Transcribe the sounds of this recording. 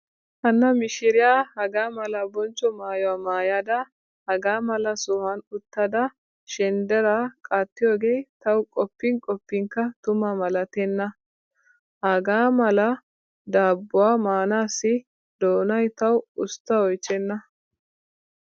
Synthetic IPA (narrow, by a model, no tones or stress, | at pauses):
hɐnːɐmɪʃɪɾɪjaːhɐɡaːmɐlɐbɔnt͡ʃːɔmaːjɔwaːmaːjaːd̪ɐ | hɐɡaːmɐlɐsɔhɐnʊt̪ːɐd̪ɐ | ʃɛnd̪ɛɾakʼaːt̪ːɪjoːɡejt̪ɐwkʼɔpːɪŋkʼɔpːɪŋkɐt̪ʊmɐmɐlɐt̪ɛnːɐ | hɐɡaːmɐlɐ | d̪aːbːʊwaːmaːnaːsːɪ | d̪̥oːnɐjt̪ɐwʊst̪ːɐɔjt͡ʃːɛnːɐ